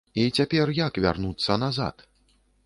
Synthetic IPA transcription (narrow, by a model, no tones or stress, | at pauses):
it͡sʲapʲɛrjakvʲa̰rnut̪sːɐnaza̰t̪